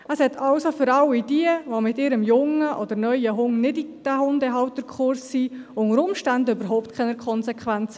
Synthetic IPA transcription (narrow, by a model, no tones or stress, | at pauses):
əshɛt̪ʰɑwsofʏɾɑwid̥iəʋomɪtɪɾəmjʊŋəʔɔd̪ənœʏəɦʊŋnɪdid̥æhʊndɛɦɑwt̪əɾkʰχʊɾsːiʊŋəɾʊmʃtændəøbəɾɦɔʊptkʰɛnəkχɔnsɛkχʋænt͡sə